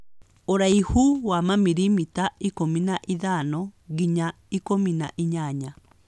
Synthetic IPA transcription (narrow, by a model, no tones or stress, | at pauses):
oɾaihuwamamiɾimitaikominaʔiðanɔɡiɲa | ikomina̰ʔiɲaɲa